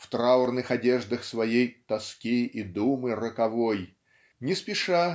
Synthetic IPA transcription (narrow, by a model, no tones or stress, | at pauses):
ft̪ɾaʊrnɨxɐdʲeʐd̪əxsvɐjejt̪ɐskʲiɪd̪umɨrəkɐvoj | nʲɪspʲɪʂa